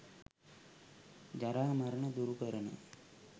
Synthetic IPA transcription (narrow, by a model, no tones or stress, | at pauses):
d͡ʑɐɾaːmɐɾɐɳɐd̪uɾupɐɾɐnɐ̰